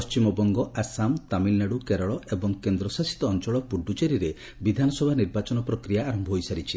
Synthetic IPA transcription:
pɔst͡ʃimɔbɔŋɡɔʔasamt̪amilneɽukeɾɔɭɔebɔŋkend̪ɾɔsasi̥t̪ɔːnt͡ʃɔɭɔpuɖːut͡ʃeɾiɾe | bid̪ʱanɔsɔbʱaniɾbat͡ʃɔnɔpɾɔkɾijaːɾɔmbʱɔɦojsaɾit͡ʃʰi

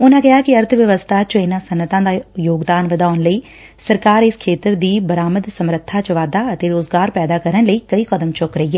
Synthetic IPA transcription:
ʊnãːkɪɦaːkɪəɾt̪ʰʋjəʋəst̪ʰaːt͡ʃəɪnãːsənːət̪ãːd̪aːjoːɡd̪aːnʋəd̪aːnləiː | səɾkaːɾɪskʰeːt̪əɾd̪iːbəɾaːməd̪səmɾət̪ʰːaːt͡ʃəʋaːd̪aːət̪eːɾoːzɡaːɾpɛːd̪aːkəɾənləiːkəiːkəd̪əmt͡ʃʊkɾəɦiɛː

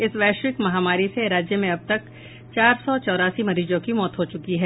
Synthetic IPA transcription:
ɪsʋɛːʃɾɪkmɐɦaːmaːɾiseɾaːd͡ʒjəmẽɐb̚t̪ɐk | t͡ʃaːɾsɔt͡ʃɔːɾaːsimɐɾiːd͡ʒõkimɔːt̪ɦot͡ʃʊkiɦɛː

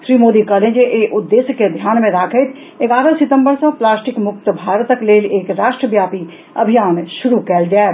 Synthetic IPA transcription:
ʃɾiːmoːd̪ikəlẽd͡ʒeʔeːʔʊd̪ːeːsjked̪ʱjaːnmẽɾaːkʰət̪ʰ | eɡaːɾəsɪt̪ə̃mbəɾsɐ̃plaːsʈɪkmʊk̚t̪əbʱaːɾt̪əkleːleːkɾaːʃʈɾəbjaːpi | ɐbʱijaːnʃʊɾukɛːld͡ʒaːe

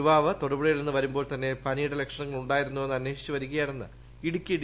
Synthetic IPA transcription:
uʋaːʋɐt̪orubɽɐjilenːɨʋɐɾumbo̞ːɭt̪ɐnːe̞pɐniːɽɐle̞kʂɐnɐŋːɐɭuɳɖaːjiɾunːuʋenːɐnːe̞ːʂi̥t͡ɕːuʋɐɾukːɐjaːnenːɨ | iɽukʲːiiɽ

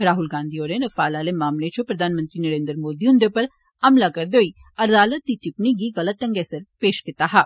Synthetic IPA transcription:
ɾaːɦʊlɡãːnd̪ʱioːɾẽɾɐfaːlaːlemaːmlet͡ʃʰopɾɐd̪ʱaːnmə̃nt̪ɾinɐɾẽːnd̪əɾmoːd̪iʊ̃nd̪epɐɾ | ɐmlakɐɾd̪oːi | ɐɾdaːlət̪ːiʈɪpniɡiɣɐlət̪ːɐ̃ŋɡɛːsəɾpeːʃkɪt̪aɦaː

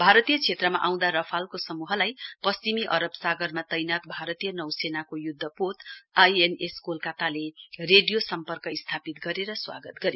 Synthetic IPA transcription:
bʱaɾʌt̪ijʌt͡sʰet̪rʌmaʔaw̃d̪aɾʌpʰalkosʌmuɦʌlajpʌst͡ʃimiʔʌɾʌbsaɡʌrmat̪ʌjnat̪̚bʱaɾʌt̪ijʌnʌwsenakojud̪ʱːʌpot̪ajeneskolkat̪alereɖijosʌmpʌrkʌist̪ʰapit̪ɡʌɾeɾʌswa̰ɡʌt̪ɡʌɾje

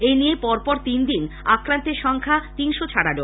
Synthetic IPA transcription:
enijepɔɾpɔɾt̪ind̪in | akɾant̪eɾʃɔŋkʰat̪inʃot͡ɕʰaɽaɖo

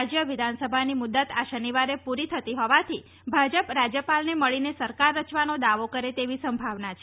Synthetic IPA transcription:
d͡ʒjəʋɪd̪ʱansəbʱanimud̪ːət̪aʃəniʋaɾepuɾit̪ʰət̪iɦɔʋat̪ʰi | bʱad͡ʒəpɾad͡ʒjəpalneməɭinesəɾkaɾːət͡ʃʋanod̪aʋokəɾet̪eʋisəmbʱaʋnat͡ʃʰe

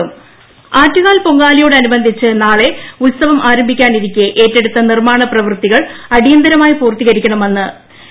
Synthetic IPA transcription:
m | aːtːuɣaːlpo̞ŋɡaːlijoːɽɨɐnubɐnd̪ʱit͡ɕːɨnaːɭe̞ulsɐʋɐmʔaːɾɐmbʱikʲːaːniɾikʲːɨʔe̞ːtːe̞ɽut̪ːɐnirmaːɳɐprɐʋrt̪iɣɐɭɐɽijɐnd̪ɐɾɐmaːjipuːrt̪iɣɐɾikʲːɐɳɐme̞nːɨ

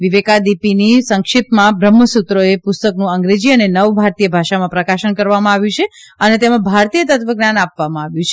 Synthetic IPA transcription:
ʋiʋekad̪ipinisəŋkʃɪt̪mãbɾəmːəsut̪ɾoepʊst̪əknũəŋɡɾed͡ʒiənenəʋbʱaɾt̪ijəbʱaʃamãpɾəkaʃənkəɾʋamãaʋjũt͡ʃʰeənet̪emãbʱaɾt̪ijət̪ət̪ʋəɡnjanapʋamãaʋjũt͡ʃʰe

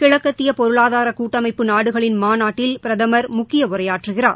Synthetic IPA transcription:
kɪɻɐkːɐt̪ːɪjɐpɔɾɯɭaːðaːɾɐkuːʈːɐmɐɪpːɯnaːɽɯɣɐɭɪnmaːnaːʈːɪlpɪɾɐðɐmɐɾmʊkːɪjɐʊrɐjaːʈrɯɣɪra̰ːɾ

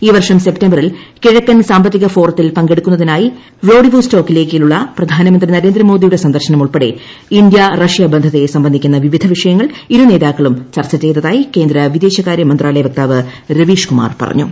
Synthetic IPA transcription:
iːʋɐrʂɐmse̞p̚tembɐrilkiɻɐkːɐnsaːmbɐt̪ːiɣɐfo̞ːrɐt̪ːilpɐŋɡe̞ɽukːunːɐðinaːji | roːɖiʋuːsto̞ːkːile̞ːkːiluɭːɐprɐd̪ʱaːnɐmɐnd̪rinɐɾe̞ːnd̪ɾɐmo̞ːd̪ijuɽe̞sɐnd̪ɐrɕɐnɐmuɭpeɽe̞ | ind̪jɐrɐʂjɐbɐnd̪ʱɐðe̞sɐmbɐnd̪ʱikʲːunːɐʋiʋid̪ʱɐʋiʂɐjɐŋːɐɭiɾune̞ːðaːkːɐɭumt͡ɕɐrt͡ɕːɐt͡ɕːeːt̪ːɐðaːjike̞ːnd̪ɾɐʋid̪e̞ːɕɐɣaːɾjɐmɐnd̪raːlɐjɐʋɐk̚t̪aːʋɨɾɐʋiːʂkuma̰ːrpɐ̰rɐ̰ɲːṵ

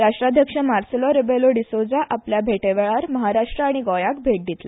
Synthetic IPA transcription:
ɾaʂʈɾad̪ʱjəkʂəmaɾselɔɾebeloɖisod͡zaʔapljabʱeʈeʋeɭaɾməɦaɾaʂʈɾəaɽ̃iɡɔjak̚bʱeʈ̚d̪ʱit̪la

